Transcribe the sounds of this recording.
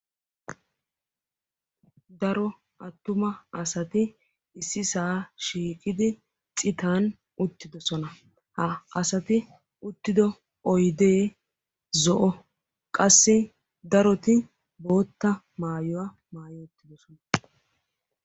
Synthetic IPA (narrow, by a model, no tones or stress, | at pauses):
d̪ɐɾɔ | ʔɐt̪ːʊmɐɐsɐt̪ɪ | ɪsːɪsaːʃiːkʼɪd̪ɪ | t͡sʼɪt̪aːn | ʊt̪ːɪd̪ɔsɔnɐ | hɐɐsɐt̪ɪ | ʊt̪ːɪd̪ɔ | ɔjd̪e̞ː | zɔʔɔ | kʼɐsːɪ | d̪ɐɾɔt̪ɪ | bo̞ːt̪ːɐ | maːjɔwɐ | maːjɔʊt̪ːɪd̪ɔsɔnɐ